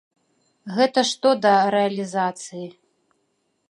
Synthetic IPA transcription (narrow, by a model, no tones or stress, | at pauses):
ɣɛt̪ɐʂt̪ɔd̪ɐɾɛɐlʲizat̪sɨji